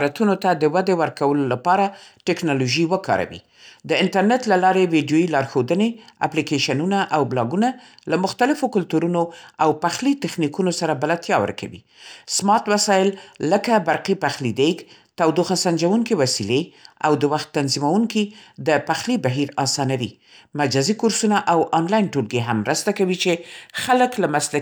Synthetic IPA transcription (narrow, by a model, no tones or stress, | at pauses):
ɾat̪unot̪ad̪əwad̪ewəɾkawəlolapɑɾaʈɪknɑloʒiwəkɑ̰ɾa̰wḭ | d̪əɪnʈaɾnet̪lalɑɾewiɖjoilɑɾxod̪ənea̰plikeʃanunaʔawblɑɡuna | lamʊxt̪alɪfokʊlt̪uɾunoawpaxlit̪ɪxnikunosaɾabalat̪jɑwə̰ɾkʰa̰wḭ | smɑt̪wasɑɪlːəkabaɾqipaxlid̪ekt̪awd̪oxasand͡ʒawuŋkiwasilea̰wd̪əwaxt̪ːanzimawuŋkid̪əpaxlibaɦiɾɑsɑnawḭ | mad͡ʒazikʊɾsunaʔawʔɑnlɑjnʈolɡeɦamːɾəst̪akawit͡ʃexaləklamasla